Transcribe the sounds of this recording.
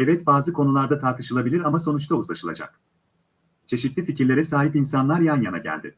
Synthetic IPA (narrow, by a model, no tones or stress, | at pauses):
ɛvɛt̪baːzɯkʰo̞nulˠaɾd̪at̪ʰaɾt̪ʰɯʃɯlˠabilʲiɾamaso̞nut͡ʃt̪ʰauzˠaʃɯlˠa̰d͡ʒa̰k | t͡ʃʰe̞ʃit̪lʲificiɾlʲe̞ɾɛsaːɦipinsanlˠaɾjanjana̰ɟæ̰lʲd̪ɪ̰